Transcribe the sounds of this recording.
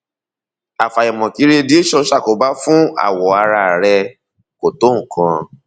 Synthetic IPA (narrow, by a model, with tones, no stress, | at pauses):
a˨fa˨jɔ˨mɔ̃˨ki˨˦ɾe˦˧di˦e˦ʃɔ˧˦ʃa˦˨ko˨ba˦fũ˦a̰˦˨wɔ˨a˧ɾa˧˨ɾɛ˧ | ko˨tõ˨˦˨kã˧